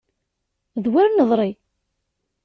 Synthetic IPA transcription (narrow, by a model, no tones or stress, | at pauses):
ðwaɾnəðˤɾˤi